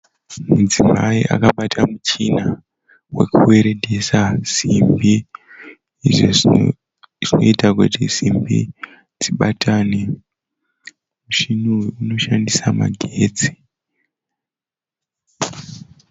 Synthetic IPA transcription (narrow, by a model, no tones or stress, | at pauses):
mud͡zimaiʔa̰kaɓatʰamut͡ʃina | we̞kuwe̞ɾe̞dʱesaz̥imbiː | ʐo̰ | ʐ̥ino̞̰itakutizimbḭ | d͡ziɓatʰane | muʃinuino̞ʃandisama̰ɡʱeːd͡zi̥